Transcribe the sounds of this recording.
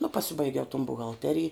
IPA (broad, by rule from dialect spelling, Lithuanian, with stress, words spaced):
nʊ pɐˈsʲɪbɐɪɡʲɛʊ toːn bʊɣɐlʲˈtʲæːrʲɪj